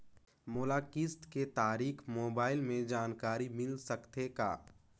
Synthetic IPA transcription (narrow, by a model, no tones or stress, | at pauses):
moːlaːkɪst̪ket̪aːɾiːkʰmoːbaːɪlmẽd͡ʒaːnkaːɾimɪlsɐkt̪eka̰ː